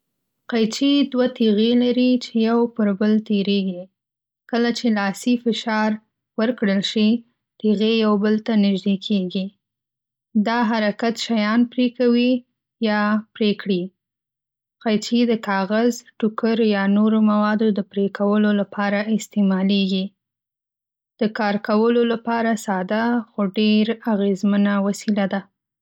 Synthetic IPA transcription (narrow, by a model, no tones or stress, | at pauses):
qajt͡ʃid̪wat̪iɣelaɾit͡ʃejawpəɾbəlt̪eɾeɡi | kəlat͡ʃelɑsifɪʃɑɾ | wəɾkɽəlʃi | t̪eɣejawbəlt̪anɪʒd̪ekʰeɡi | d̪ɑɦaɾakat̪ʃajɑnpɾekawi | jɑpɾekɽi | qajt͡ʃid̪əkɑɣazʈʊkəɾjɑnoɾomawɑd̪od̪əpɾekʰawəlolapʰɑɾaɪst̪emɑleɡi | d̪̥əkɑɾkawəlolapɑɾasɑd̪axoɖeɾaɣezmənawasilad̪a